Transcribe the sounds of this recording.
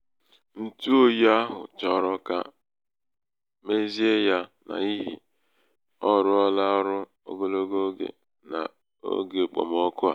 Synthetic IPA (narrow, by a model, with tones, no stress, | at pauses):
n̩˦tu˦o˦ja˦ɦʊ̰˨t͡ʃɔ˦ɾɔ˦ka˦ | me˦zi˦e˦ja˦na̰˨i˦ɦḭ˨ | ɔ˦ɾʊ˦ɔ˦la˦ɾʊ˦ | o̰˦ɡo˦lo˦ɡo˦ɡḛ˨ | na̰˨ | o̰˦ɡe˨k͡pɔ̰˨mɔ˦kʊ˦a̰˨